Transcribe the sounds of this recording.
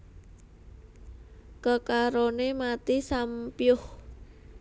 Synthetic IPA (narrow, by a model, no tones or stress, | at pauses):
kəkaɾonemat̪isampjʊh